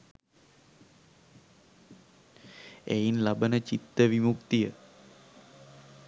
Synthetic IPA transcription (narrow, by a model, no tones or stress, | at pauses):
ɛ̰inlabənət͡ʃit̪ːəʋimukt̪ijə